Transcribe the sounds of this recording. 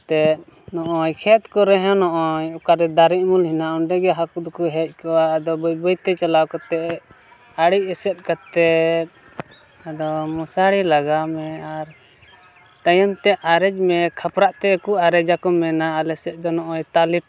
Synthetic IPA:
t̪ɛ | nɔʔɔjkʰɛt̪kɔɾɛɦãnɔʔɔjɔkaɾɛd̪aɾiʔ̚mulhinauɳɖɛɡɛɦakud̪ɔkuɦɛc̚ˀkɔaːd̪ɔbɔjbɔjt̪ɛt͡ʃalawkɔt̪ɛ | aɽiʔɛsɛt̪̚ˀkat̪ɛ | ad̪ɔmɔsaɽilaɡamɛaɾ | t̪ajɔmt̪ɛʔaɾɛd͡ʒmɛkʰapɾaʔt̪ɛːkuaɾɛd͡ʒakɔmɛnaːlɛsɛt̪̚ˀd̪ɔnɔʔɔjt̪aliʈ̚

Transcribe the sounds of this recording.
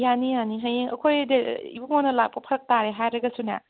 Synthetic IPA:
janijaniɦajeŋɐ̰kʰojdeḭbuŋonɐlak̚pɐpʰɐɾɐk̚taɾeɦajɾɐɡɐsunɐ̰

